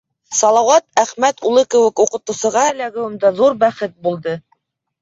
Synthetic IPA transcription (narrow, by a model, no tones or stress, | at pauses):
sɑlˠɑwɑt̪æχmæt̪ulˠɤkɘ̆wɘ̆kuqɤ̆t̪ɤ̆wsɤ̆ʁɑɘ̆læɡɘ̆wɘ̆md̪æðuɾbæχɘt̪̚bulˠd̪ɤ